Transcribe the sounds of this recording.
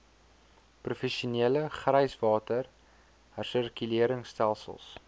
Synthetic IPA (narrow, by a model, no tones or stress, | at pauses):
prufɛʃiuniələχrəjsvɑːtər | hərsərkyliəɾəŋstælˠsə̰lˠs